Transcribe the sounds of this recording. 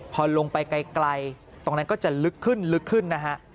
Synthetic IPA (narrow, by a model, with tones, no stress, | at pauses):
pʰɔː˧lo˧ŋpa˧jka˧jkla˧j | t̪o˧ŋna˦˧nkɔː˥˩t͡ɕa˨˩lɯ˦˥kʰːɯ˥˩nlɯ˦˥kʰːɯ˥˩nːa˦˥kʰa˦˥ʔ